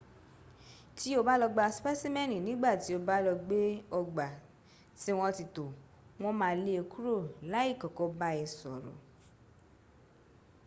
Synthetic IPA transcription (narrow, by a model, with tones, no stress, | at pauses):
ti˦o˧ba˦lɔ˧ɡ͡ba˦˧spɛ˦si˦mɛ̃˦˨nĩ˨nĩ˨˦ɡ͡ba˦˨ti˨˦o˧ba˦lɔ˧ɡ͡be˦ɔ˧ɡ͡ba˨ | si˧˦w̃ɔ̃˧ti˧to˨ | w̃ɔ̃˦mãː˧˦le˧˦o˧ku˦ɾo˦˨la˨˦i˦˨kɔ˨kɔ˨˦ba˦ɛ˧sɔ̰˨ɾo̰˨